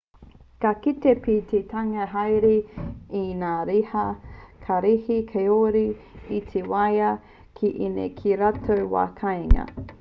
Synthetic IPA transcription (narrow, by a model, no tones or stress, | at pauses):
kɐkitepit̪ʰetʰaŋɐɦajɾiinaːɾihɐkʰɐɾihikʰeoɾiit̪ʰewajɐ | kʰiʔinḛkʰiɾatʰowwa̰ːkʰɐjŋɐ̰